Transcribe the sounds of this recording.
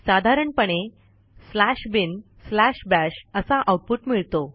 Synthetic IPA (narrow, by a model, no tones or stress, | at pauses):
sad̪ʱaɾəɳpəɳ̃e | slæɕbin | slæɕbæɕəsaʔawʈ̚puʈmiɭt̪o